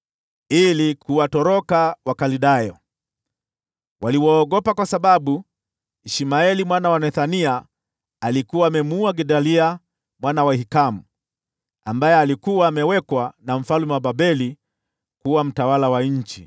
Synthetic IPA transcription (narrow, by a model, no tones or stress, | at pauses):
ilikuwatɔɾɔkawakaliɗajɔ | waliwɔːɡɔpakwasaɓaɓu | iʃimaɛlimwanawanɛθaniaː | likuwaːmɛmuaɡɛɗalia | mwanawahikamu | ambajɛalikuwaːmɛwɛkwanam̩falmɛwaɓabɛli | kuwam̩tawalawaɲ̩t͡ʃḭ